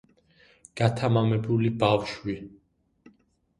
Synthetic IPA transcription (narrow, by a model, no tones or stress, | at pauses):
ɡ̥at̪ʰamamɛbulibafʃwi